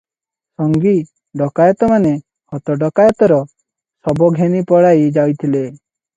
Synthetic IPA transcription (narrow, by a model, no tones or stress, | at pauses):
sɔŋɡi | ɖɔkajɔt̪ɔmane | hɔt̪ɔɖɔkajɔt̪ɔɾɔ | sɔbɔɡʱenipɔɽajd͡ʒawt̪ʰile